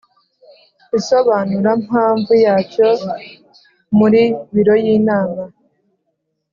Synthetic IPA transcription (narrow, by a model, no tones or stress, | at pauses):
iso̞βaːnuɾamhaːɱvujaːco | muɾiβiɾo̞jiːnaːma